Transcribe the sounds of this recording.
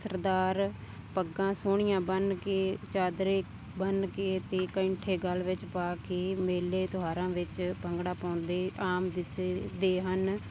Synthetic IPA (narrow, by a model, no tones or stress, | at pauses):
səɾd̪aːɾ | pəɡãːsoːɳ̃ɪjãːbənkeːt͡ʃaːd̪ɾeː | bənkeːt̪eːkəɪɳʈʰeːɡəlːʋɪt͡ʃpaːkeːmeːleːt̪ʊɦaːɾãːʋɪt͡ʃpəŋɡɽaːpãːnd̪eːʔaːmd̪ɪsd̪eːɦən